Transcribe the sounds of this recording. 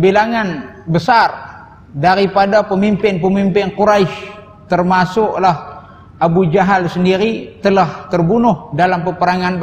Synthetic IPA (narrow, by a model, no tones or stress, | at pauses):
bilaŋanbəsar | daɾipadapəmimpɪnpəmimpɪnkuɾaiʃ | t̪ərmasʊklah | ʔabud͡ʒaɦalsəndiɾit̪əlaht̪ərbunʊhdalampəpəɾaŋanb